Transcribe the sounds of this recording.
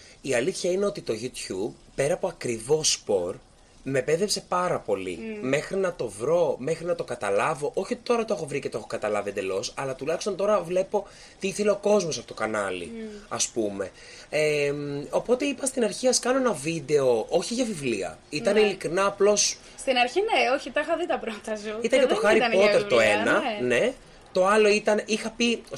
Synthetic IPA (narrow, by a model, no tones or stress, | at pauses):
iɐliθçɐine̞o̞t̪it̪o̞ʝut̪çub̚ | pe̞ɾɐpo̞ɐkɾivo̞spo̞ɾ | me̞pe̞ðe̞pse̞pɐɾɐpo̞lḭme̞xɾinɐt̪o̞vɾo̞me̞xɾinɐt̪o̞kɐt̪ɐlɐvo̞ʔo̞çiot̪it̪o̞ɾɐt̪oe̞xo̞vɾicet̪oexokɐt̪ɐlɐviend̪elo̞sɐlɐt̪ulɐxist̪o̞nt̪o̞ɾɐvle̞po̞ | t̪iiθe̞le̞o̞ko̞zmo̞sɐfoot̪okɐnɐlḭɐ̰spume̞̰ | emo̞po̞t̪e̞ipɐst̪inɐɾçiɐskɐno̞enɐvid̪e̞o̞ʔo̞çiʝɐvivliɐ̰it̪ɐneilikɾinɐːplo̞s | st̪inɐɾçineoçit̪ɐixɐðit̪ɐbɾot̪ɐsit̪ɐɲʝɐt̪oxɐɾipo̞t̪eɾt̪oenɐne̞ | t̪o̞ɐlo̞it̪ɐnixɐpi